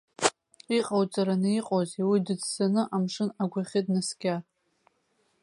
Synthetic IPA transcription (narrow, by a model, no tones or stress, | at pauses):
iqʼawt͡sʼaɾanɨiqʼoziwidɨd͡zz̥anɨʔamʂɨnaɡʷaχʲɪdʼnasɡʲar